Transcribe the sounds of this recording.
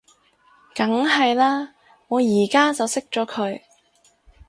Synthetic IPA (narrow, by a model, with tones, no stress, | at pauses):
kɐ˨˥ŋɐ˨jlaː˥ | ŋɔː˨˧jiː˨˩kaː˥t͡sɐ˨wsɪ˥k̚t͡ʃɔː˨˥kʰɵ˨˧ɥ